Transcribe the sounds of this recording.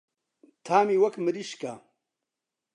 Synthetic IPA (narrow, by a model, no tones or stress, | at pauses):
t̪ʰaːmiwɐkmɨɾiʃka